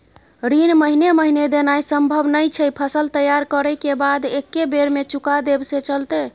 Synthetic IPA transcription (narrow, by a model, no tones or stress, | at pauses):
ɾinməɦineməɦined̪enajsəmbʱəbnəjt͡ʃʰəjpʰəsəlt̪əjaɾkəɾəkebad̪ekːebeɾmet͡ʃukad̪ebset͡ʃəlt̪e